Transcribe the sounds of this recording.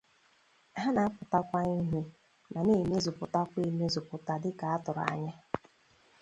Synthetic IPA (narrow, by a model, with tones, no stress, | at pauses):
ɦa˦na˨a˦pʊ˨ta˦kʷa˦i˦ɦu˦ | na˨ne˦˨me˦zʊ˨pʊ˨ta˦kʷe˦˨me˦zʊ˨pʊ˨ta˨dɪ˦ka˨a˦tʊ˨ɾa̰˨ɲa˦